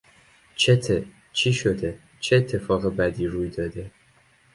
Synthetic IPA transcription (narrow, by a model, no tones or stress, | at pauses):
t͡ʃʰet̪ʰe | t͡ʃʰiːʃod̪e | t͡ʃʰeːt̪ʰːe̞fɒːɣebæd̪iːɾuːjd̪ɒːd̪e̞